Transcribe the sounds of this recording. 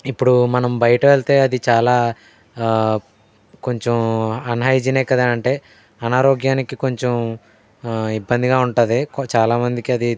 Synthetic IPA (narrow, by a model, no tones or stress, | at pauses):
ipːuɽumɐnɐmbɐjɐʈɐʋeɭt̪e̞ːɐd̪it͡ʃaːlaː | ko̞ɲt͡ʃemɐnɦaːjid͡ʒinɛːkɐd̪aːɐɳʈe̞ː | ɐnaːɾoːɡjaːnikiko̞ɲt͡ʃem | ibːɐnd̪iɡaːuɳʈaːd̪ekt͡ʃaːlaːmɐnd̪ikiɐd̪i